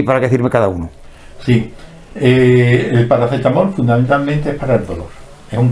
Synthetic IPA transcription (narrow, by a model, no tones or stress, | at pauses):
paɾakeeθiɾmekaðaunu | si | eelpaɾaθet̪amoɾfund̪amẽnt̪almẽnt̪eepaɾaelðolo̞̰ɾ | ehuŋ